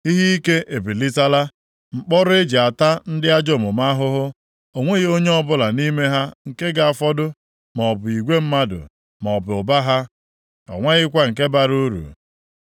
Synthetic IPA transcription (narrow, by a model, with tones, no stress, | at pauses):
i˦ɦi˦i˦ke˦ʔe˨bi˨li˦ta˦la˦ | ŋ͡m̩˨k͡pɔ˦ɾʊ˦e˦d͡ʒi˨a˨ta˦n̩˦dɪ˦a˦d͡ʒo˦˨mʊ˨ma˦ɦʊ˦ɦʊ˦ | o˨ŋʷe˦ɣe˦o˦ɲe˦ɔ˦bʊ˦la˨ni˦me˦ɦa˦ŋ̩˨ke˦ɡa˨a˨fɔ˦dʊ˦ | mɔ˨ɔ˨bʊ˨i˨ɡʷe˦m̩˦ma˦dʊ̰˨ | m˨ɔ˨bʊ˨ʊ˨ba˦ɦa˦ | ɔ̰˨ŋʷa˦ɣɪ˦kʷa˦ŋ̩˨ke˦ba˦ɾu˦ɾṵ˨